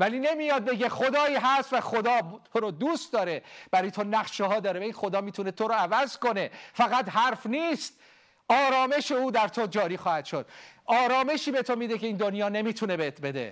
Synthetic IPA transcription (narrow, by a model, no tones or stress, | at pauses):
væliːne̞mijɒːd̪̚be̞ɡe̞χo̞d̪ɒːiːɦæst̪væχo̞d̪ɒːt̪ʰoɾod̪uːst̪d̪ɒːɾe̞b̥æɾɒːjet̪ʰonæɣʃehɒːd̪ɒːɾevæinxo̞d̪ɒːmiːt̪ʰune̞t̪ʰo̞ɾoævæzko̞ne̞fæɣæt̪ɦæɾfniːst̪̚ | ʔɒːɾɒːme̞ʃe̞uːd̪æɾt̪ʰo̞d͡ʒɒːɾiːxɒːhæt̪ʃo̞d̪̥̚ʔɒːɾɒːme̞ʃiːbe̞t̪ʰo̞miːd̪ecʲʰe̞iːnd̪onjɒːne̞miːt̪ʰunebet̪ʰbe̞d̪ḛ